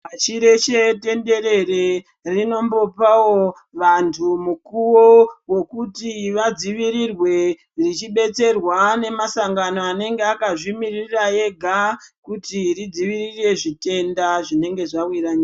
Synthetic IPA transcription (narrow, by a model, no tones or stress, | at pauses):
pat͡ʃiɾe̞t͡ʃe̞te̞nde̞ɾe̞re | rino̞mbo̞pawo̞ | ʋantʰumukuwowo̞kutiʋad͡ziʋiɾirwe̞ | rit͡ʃiɓe̞t͡se̞rwane̞masaŋɡano̞ane̞ŋɡeakaʐimirirraje̞ɡʱakutirid͡ziʋirire̞ʐite̞ndaʐine̞ŋɡe̞ʐawiɾaɲia